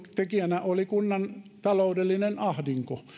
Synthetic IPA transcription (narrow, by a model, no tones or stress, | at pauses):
t̪ekiænæʔolikunːɑnt̪ɑloudelːinenɑhdiŋko